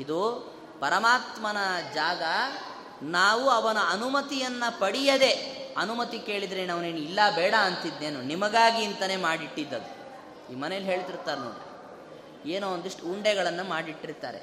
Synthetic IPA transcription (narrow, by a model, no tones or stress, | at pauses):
id̪u | pɐɾɐmaːt̪mɐnɐd͡ʒaːɡɐ | naːʋuɐʋɐnɐɐnumɐt̪ijɐnːɐpɐɽijɐd̪e̞ɐnumɐt̪ike̞ːɭid̪ɾenaːʋuneːnilːɐbɛːɽɐɐnt̪id̪neːnunimɐɡaːɡiːnt̪ɐne̞ːmaːɽiʈːid̪ːɐd̪u | iːmɐnɛjɐlɦe̞ːɭt̪iɾt̪aːɾnoːɽɾḭ | eːnuond̪iʂʈuɳɖɛɡɐɭɐnːumaːɽiʈːiɾt̪a̰ːɾe̞̰